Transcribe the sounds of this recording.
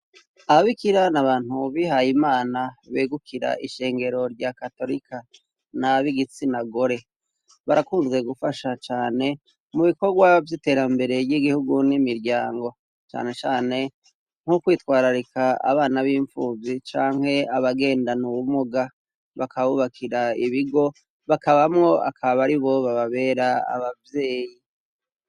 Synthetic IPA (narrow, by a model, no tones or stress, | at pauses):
aβaβikiɾanaβaːn̥huβiɦajimaːnaβeːɡukʰiɾa̰ʔiʃe̞ːŋɡe̞ɾo̞ɾɟakato̞ɾikʰa | naβiɡit͡sinaɡo̞ɾe̞ | βaɾʔakuːnze̞ɡufaʃat͡ʃaːne̞ | muβiko̞ɾɡwavjite̞ːɾambe̞ɾe̞jiɡihuɡunimiɾɟaːŋɡo̞ | t͡ʃa̰ːne̞t͡ʃaːne̞ | ŋ̥hukwiːtwaːɾaɾikʰaa̰βaːnaβiːɱfuːzit͡ʃaːŋ̥he̞aβaɡe̞ːndanuwumuɡa | βakʰaβuβakʰiɾaiβiɡo̞ | βakaβamŋo̞a̰kʰaβaβaɾiβo̞βaβaβe̞ːɾaa̰βavje̞ːji